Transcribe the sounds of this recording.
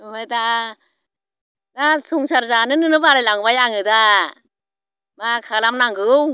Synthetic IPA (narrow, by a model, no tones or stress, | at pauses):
ɦɯjda | dasuŋsaɾzanɯnɯnɯbalajlaŋbajaŋɯda | makʰalamnaŋɡɯw